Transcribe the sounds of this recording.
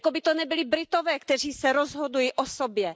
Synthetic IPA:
kobɪt̪onɛbɪlɪbɾɪt̪ovɛːkt̪ɛr̝iːsɛɾozɦod̪ujiʔosobjɛ

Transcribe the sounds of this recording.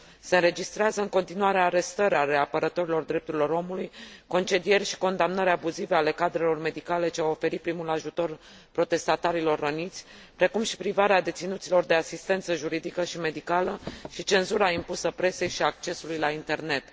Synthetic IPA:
seɨnɾe̞d͡ʒist̪ɾeazəɨŋko̞nt̪inuaɾeaɾe̞st̪əɾʲaɾeapəɾət̪o̞ɾilo̞rd̪ɾe̞p̚t̪uɾilo̞ɾo̞mulujko̞nt͡ʃe̞d̪ije̞rʲʃi̥ko̞nd̪amnəɾʲabuzive̞ale̞kad̪ɾe̞lo̞rme̞d̪ikale̞t͡ʃeawo̞fe̞ɾit̪̚pɾimulaʒut̪o̞r | pɾo̞t̪e̞st̪at̪aɾilo̞rːənit̪sʲ | pɾe̞kumʃi̥pɾivaɾead̪e̞t̪sinut̪silo̞rd̪e̞asist̪e̞nt̪səʒuɾid̪ikəʃime̞d̪ikaləʃit͡ʃe̞nzuɾaimpusəpɾe̞se̞jʃiak̚t͡ʃe̞sulujlaint̪e̞rne̞t̪

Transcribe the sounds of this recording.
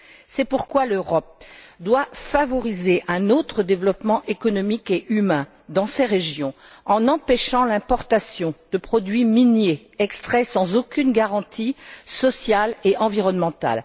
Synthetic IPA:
sɛpuʁkwaløʁɔp̚d̪wafavɔʁizeʔɛ̃not̪χəd̪evlɔpmɑ̃ʔekɔnɔmikeʔymɛ̃ | d̪ɑ̃sɛʁeʒjɔ̃ | ɑ̃nɑ̃pɛʃɑ̃lɛ̃pɔʁt̪asjɔ̃d̪̥əpχɔd̪ɥiminje | ɛkst̪χɛsɑ̃zokʲynɡaʁɑ̃t̪ʰisɔsjaleʔɑ̃viʁɔnmɑ̃t̪a̰l

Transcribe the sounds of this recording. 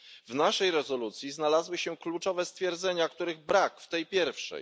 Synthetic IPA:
vnaʂɛjɾɛzɔlut̪sʲjiznalazwɘɕɛklut͡ʂɔvɛst̪fʲjɛɾd̪zɛɲakt̪uɾɘɣbɾakft̪ɛjpʲjɛɾfʂɛ̰j

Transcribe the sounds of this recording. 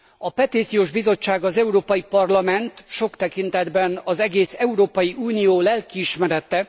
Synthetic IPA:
ɒpɛt̪it̪sijoːʒbizo̞t͡ʃːaːɡɒzɛuɾoːpɒjipɒrlɒmɛnt̪ʃo̞kt̪ɛkint̪ɛd̪bɛnɒzɛɡeːsɛuɾoːpɒjiʔuːnijoːlɛlkiːʃmɛɾɛt̪ːɛ

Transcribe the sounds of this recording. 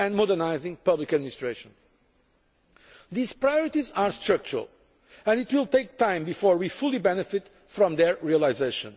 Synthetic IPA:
ɛ̃nmɔdəɹnaɪzɪ̃ŋpʌblikɨd̪minist̪ɹeʃə̃n | ðiz̥pɹajɔɹit̪izaɹstɹʌk̚t͡ʃuɹə̰lˠ | ɛ̃nit̪wilˠt̪eɪk̚t̪ãɪ̃mbifɔɹwifulˠibɛnɨfɪt | fɾɔ̃mðɛɹɹialˠaɪzeɪʃə̰̃n

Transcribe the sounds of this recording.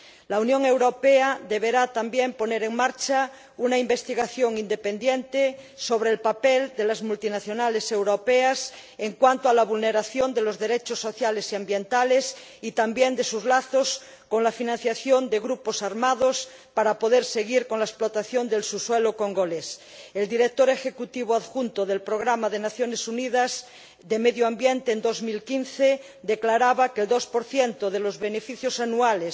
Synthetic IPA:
launjõŋe̞wɾopeaðeβeɾat̪ambjempo̞neɾeŋmaɾt͡ʃa | unaimbest̪iɣaθjoŋind̪epẽnd̪jent̪esoβ̞ɾelpapeld̪elazmult̪inaθjonalesewɾopeas | eŋkwant̪oalaβulneɾaθjond̪elozðeɾet͡ʃosːoθjalesiambjent̪ales | it̪ambjend̪esuzlaθos | konlafinãn̟θjaθjond̪eɣɾuposaɾmað̞os | paɾapoðeɾseɣ̞iɾkonlaesplot̪aθjond̪elsuswelokoŋɡoles | eld̪iɾek̚t̪oɾexekut̪iβ̞oaðxunt̪oðelpɾoɣ̞ɾamaðenaθjonesunið̞az | d̪emeðjoambjent̪eːnd̪ozmilkinθe | d̪eklaɾaβakeld̪ospoɾθjent̪oðelozβenefiθjosanuales

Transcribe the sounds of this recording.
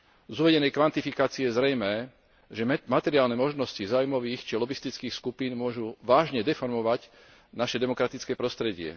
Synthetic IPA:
zuːʋɛɟɛnɛjkʋant̪ifikaːt͡siɛjɛzɾɛjmɛː | ʒɛmat̪ɛɾiaːlnɛmɔʒnɔscizaːujmɔʋiːxt͡ʃilɔɡist̪it͡skiːxskupiːnmʊɔʒuʋaːʒɲɛd̪ɛfɔɾmɔʋaɟ | naʃɛd̪ɛmɔkɾat̪it͡skɛːpɾɔst̪ɾɛɟɪɛ̰

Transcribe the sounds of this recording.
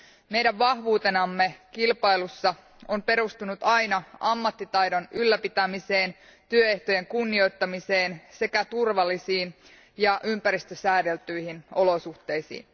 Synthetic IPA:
me̞jdæʋʋɑhʋuːt̪e̞nɑmːe̞kilpɑilusːɑ | ompe̞ɾust̪unut̪ɑjnɑɑmːɑt̪ːit̪ɑjdo̞nylːæpit̪æmise̞ːn | t̪yøe̞ht̪o̞je̞ŋkunːio̞jt̪ːɑmise̞ːnse̞kæt̪urʋɑlːisiːn | jɑʔympæɾist̪øsæːde̞lt̪yjhino̞lo̞suht̪e̞jsḭːn

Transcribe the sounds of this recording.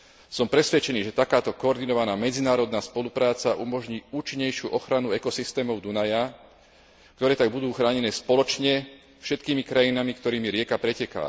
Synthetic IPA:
sɔmpɾɛsʋɛt͡ʃɛniːʒɛt̪akaːt̪ɔkɔɔɾd̪inɔʋanaːmɛd͡zinaːɾɔd̪naːspɔlupɾaːt͡saʔumɔʒɲiːuːt͡ʃiɲːɛjʃɪuʔɔxɾanuɛkɔsist̪ɛːmɔʊd̪unaja | k̚t̪ɔɾɛːt̪aɡ̚bud̪uːxɾaːɲɛnɛːspɔlɔt͡ʃɲɛ | fʃɛt̪kiːmikɾajinamikt̪ɔɾiːmiɾɪɛkapɾɛcɛka̰ː

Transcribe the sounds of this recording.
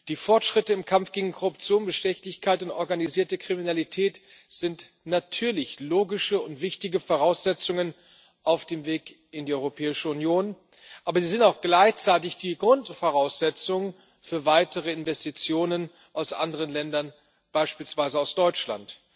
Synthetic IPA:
d̥iːfɔɐtʃʁ̥ɪtəɪmkʰamfɡ̥eːɡŋ̩kʰoʁʊp̚t͡sjoːnbəʃtɛçlɪçkʰaɪtʊntʔɔɐɡaniziːɐtəkʁ̥iminalitʰɛːt | z̥ɪnt | natʰyːɐlɪçloːɡɪʃəʊntv̥ɪçtɪɡəfɔʁ̞aʊsz̥ɛt͡sʊŋən | ʔaʊfd̥eːmveːk | ɪndiːɔʏʁopʰɛːɪʃəʊnjoːn | ʔaːbɐziːzɪntaʊxɡ̥laɪçt͡saɪtɪçd̥iːɡʁʊntfɔʁaʊsz̥ɛt͡sʊŋ | fyːɐvaɪtəʁəɪnvɛstit͡sjoːnən | ʔaʊsʔa̰ndəʁ̞ənlɛndɐn | b̥aɪʃpiːlsv̥aɪzəaʊsd̥ɔʏt͡ʃla̰nt

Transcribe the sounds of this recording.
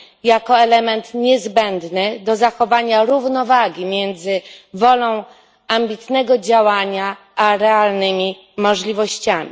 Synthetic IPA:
jakɔɛlɛmɛnt̪ɲɛzbɛnd̪nɘd̪ɔzaxɔvaɲaɾuvnɔvaɡʲimʲjɛnd̪zɘvɔlɔ̃w̃ | ambʲit̪nɛɡɔd͡ʑawaɲa | ʔaɾɛalnɘmʲi | mɔʐlʲivɔɕt͡ɕamʲi

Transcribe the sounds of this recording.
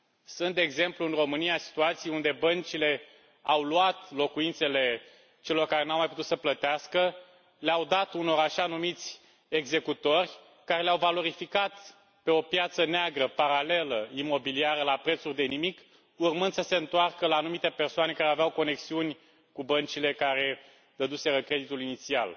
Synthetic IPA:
sunt̪d̪e̞ːɡze̞mpluɨnro̞mɨniasi̥t̪uat̪sijund̪e̞bənt͡ʃile̞ | awluat̪lo̞kuint̪se̞le̞ | t͡ʃe̞lo̞rkaɾenawmajput̪ut̪səplət̪easkə | leawd̪at̪uno̞ɾaʃanumit̪sʲ | e̞ɡze̞kut̪o̞rʲ | kaɾe̞leawvalo̞ɾifikat̪ | pe̞o̞pjat̪səneaɡɾəpaɾale̞ləimo̞biliaɾəlapɾet̪surʲd̪e̞nimik | urmɨnd̪̥səse̞ɨnt̪oarkəlaːnumit̪e̞pe̞rsoane̞kaɾeaveawko̞ne̞ksiunʲ | kubənt͡ʃile̞kaɾe̞ | d̪əd̪use̞ɾəkɾe̞d̪it̪ulinit̪sia̰l

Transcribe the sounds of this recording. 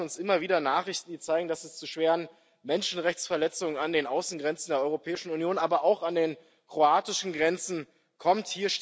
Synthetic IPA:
ʊnsʔɪmɐviːdɐnaːχɪçtn̩diːt͡saɪɡŋ̩dasɛst͡suʃv̥eːʁən | mɛnʃn̩ʁɛçt͡sfɛɐlɛt͡sʊŋənandeːnʔaʊsn̩ɡʁɛnt͡sn̩deːɐɔʏʁopʰɛːɪʃn̩unjoːnʔaːbɐʔaʊxandeːn | kʁ̥oaːtɪʃn̩ɡʁɛnt͡sn̩ | kʰɔmthiːɐʃ

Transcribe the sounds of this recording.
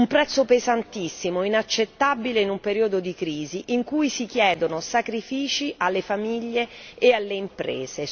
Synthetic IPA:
umpɾɛt̪sːopezant̪isːimoinat͡ʃːet̪ːabileinumpeɾiod̪od̪ikɾiːziʔiŋkujsik̟jɛːd̪onosakɾifiːt͡ʃiʔalːefamiʎːeːalːeimpɾḛːz̥e

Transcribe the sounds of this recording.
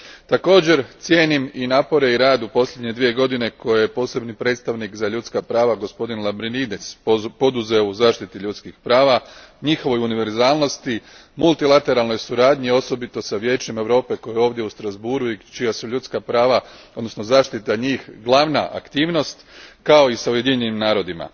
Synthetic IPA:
t̪ako̞ːd͡ʑe̞ɾt̪sjeːniminaːpo̞ɾe̞iɾaːd̪upo̞slʎʲe̞d̪ɲe̞d̪ʋije̞ɡo̞d̪ine̞ko̞jejepo̞ːse̞bnipɾe̞t̪st̪aʋnikzaʎut̪skapɾaːʋaɡo̞spo̞d̪inlˠabɾinid̪espo̞d̪uze̞ouzaːʃt̪it̪iʎut̪skixpɾaːʋaɲixo̞ʋo̞juniʋe̞ɾzaːlˠno̞st̪imulˠt̪ilˠat̪e̞ɾalˠno̞jsuɾaːd̪ɲio̞so̞bit̪o̞saʋje̞ːt͡ʃe̞me̞ʋɾo̞ːpe̞ko̞jeo̞ːʋd̪je̞ust̪ɾazbuɾuit͡ʃijasuʎut̪skapɾaːʋaod̪nosno̞zaːʃt̪it̪aɲiːxɡlˠaːʋna̰ʔa̰kt̪iːʋno̞st̪kao̞isauje̞d̪iɲenimnaːɾo̞d̪ima̰

